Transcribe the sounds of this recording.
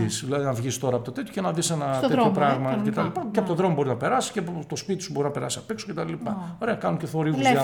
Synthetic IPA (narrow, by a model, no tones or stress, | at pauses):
isilɐðinɐvʝist̪o̞ɾɐːpo̞t̪ot̪et̪ço̥cenɐðisenɐt̪eopɾɐɣmɐcet̪ɐlipɐceɐpot̪oðɾo̞mobo̞iznɐpe̞ɾɐsi̥scet̪o̞spit̪isubo̞ɾinɐpe̞ɾɐ̰siɐpeksocet̪ɐllipɐoɾeɐkɐnunceθo̞ɾiɐ